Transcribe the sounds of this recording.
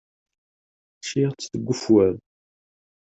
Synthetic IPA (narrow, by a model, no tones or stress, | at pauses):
ʃiʁt͡sːθəɡʷːʊfwæð